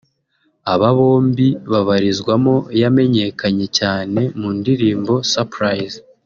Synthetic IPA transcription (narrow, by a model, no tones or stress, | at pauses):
aβaβo̞ːmbiβaβaɾizɡwamo̞jame̞ɲe̞kʰaɲe̞caːne̞mundiɾiːmbo̞sapɾajz